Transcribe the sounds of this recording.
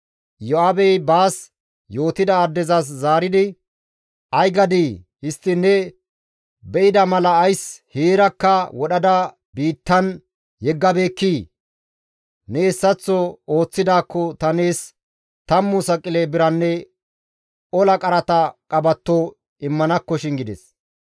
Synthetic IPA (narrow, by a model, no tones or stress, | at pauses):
jɔabɛjbaːs | jo̞ːt̪ɪd̪ɐɐd̪ːɛzɐs̬zaːɾɪd̪ɪ | ʔɐjɡɐd̪iː | hɪst̪ːɪnɛ | bɛʔɪd̪ɐmɐlɐːjsheːɾɐkːɐwɔɗɐd̪ɐ | biːt̪ːɐn | jɛɡːɐbe̞ːkːiː | nɛɛsːɐt͡sːɔo̞ːt͡sːɪd̪aːkːɔt̪ɐne̞ːs | t̪ɐmːʊsɐkʼːɪlebɪɾɐnːɛ | ɔlɐkʼɐɾɐt̪ɐkʼɐbɐt̪ːɔ | ɪmːɐnɐkːɔʃɪŋɡɪd̪ɛs